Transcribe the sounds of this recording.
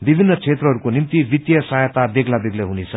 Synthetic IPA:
bibʱinːʌt͡sʰet̪rʌɦʌɾukonimt̪ibit̪jʌsajet̪ab̪eɡlab̪eɡleɦunet͡sʰʌ

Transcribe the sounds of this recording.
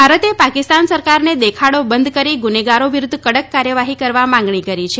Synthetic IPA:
bbʱaɾət̪epakist̪ansəɾkaɾned̪ekʰaɽobənd̪kəɾiɡuneɡaɾoʋiɾʊd̪ʱːkəɽəkːaɾjəʋaɦikəɾʋamãŋɡɳikəɾit͡ʃʰe

